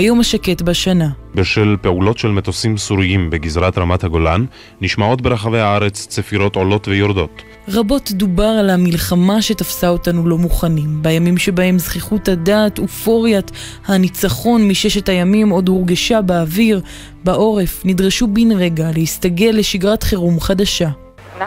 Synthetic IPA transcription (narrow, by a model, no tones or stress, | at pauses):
ajo̞maʃake̞tbaʃanabeʃelpe̞ulo̞tʃelmetosimsuʁiimbeɡizʁat̪ʁamathaɡo̞lanː | iʃmao̞tbe̞ʁaχavejhaaʁe̞t͡st͡sefiʁo̞to̞lo̞tvejoʁd̪o̞t | ʁabo̞tdubaʁalamilχamaʃe̞tafsao̞tanulo̞muχanimbajamimʃe̞bahe̞mzχiχutadaːtufo̞ʁjat | hanit͡saχo̞nmiʃeʃetajamimo̞dhuʁɡeʃabeːviʁ | baʔo̞ʁe̞fnidʁeʃubinʁe̞ɡalehistaɡe̞lːe̞ʃiɡʁatχiʁumχadaʃa